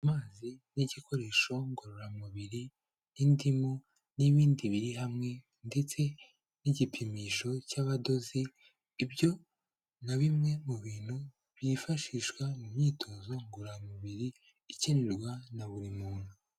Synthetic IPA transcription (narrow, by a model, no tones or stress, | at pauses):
amaːziniɟiko̞ɾe̞ːʃo̞ŋɡoɾoɾamuβiɾi | nindimu | niβiːndiβiɾiɦamŋe̞ | nde̞t͡se̞ | niɟipʰimiʃo̞caβado̞ziː | bjo̞ | naβimŋe̞muβiːn̥hu | βifaʃiʃkwamumɲiːto̞ːzo̞ŋɡoɾamuβiɾiː | ceneɾɡwanaβuɾimuːn̥u